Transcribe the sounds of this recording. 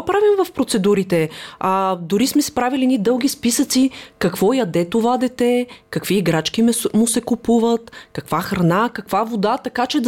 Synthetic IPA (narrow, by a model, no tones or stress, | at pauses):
pɾavimvɐfpɾot̪sɛd̪uɾit̪ɛad̪ʊɾismɛspɾavilinid̪ɤlˠɡ̟ʲispisət̪sikɐkv̥ɔjɐd̪ɛt̪ovad̪ɛt̪ɛkɐkviːɡɾat͡ʃkimmʊsɛkupuvət̪kɐkvaxɾɐnakɐkvavod̪at̪ɐkat͡ʃɛd̪